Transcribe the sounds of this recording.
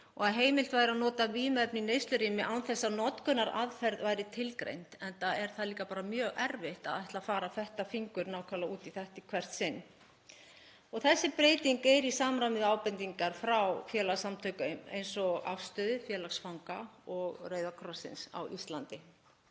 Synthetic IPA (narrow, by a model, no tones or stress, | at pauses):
ɔɣaðɦeːjmɪl̥t̪vaːjɾɪaðnɔːt̪aviːmɛpninejst̪lʏɾiːmɪʔawnθɛsːanɔt̪kʰʏnːaɾʔa̰ðfɛɾðvaːjɾɪt̪ʰɪlkɾḛjnt̪ɛnt̪aɛɾ̥θaðliːkapaːɾamjœːɣɛɾvɪht̪aðaht̪lafaːɾaθɛht̪afiŋkʏɾnaːwkʰalauːt̪iθɛht̪ɪkʰvɛr̥t̪sɪnː | ɔɣθɛsːɪpɾeːjt̪iŋkejɾisaːmɾamɪðaːwpɛnt̪iŋkaɾ̥fɾawfjɛːlasamt̪ʰœɥkʏʏmḛjnsɔɣa̰fst̪œːðʏfjɛːlaksfawŋkaɔɣrœːɥðakʰɾɔsːɪ̰nsa̰wʔist̪lant̪ɪ